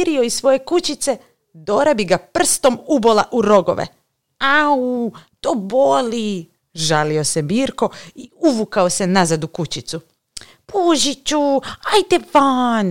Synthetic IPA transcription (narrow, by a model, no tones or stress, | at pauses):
ɾio̞isʋo̞je̞kut͡ɕit̪se̞ | d̪o̞ɾabiɡapr̩st̪o̞mubolaʔuɾo̞ɡo̞̰ʋḛ | aut̪oːbo̞li | ʒalio̞se̞miːɾko̞iuʋukaose̞nazad̪ukut͡ɕit̪su | puʒit͡ɕuajt̪eʋan